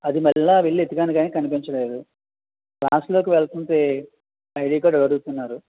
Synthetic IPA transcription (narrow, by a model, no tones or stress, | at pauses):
ɐd̪imɛɭːaːʋeɭːiet̪iɡaːniɡaːneːkɐnipiɲt͡ʃɐle̞ːd̪u | kla̰ːslo̞ːkiʋɛɭt̪unt̪eː | ɐjɽiːkaːɖɐɽɐɽuɡt̪unːaːɾu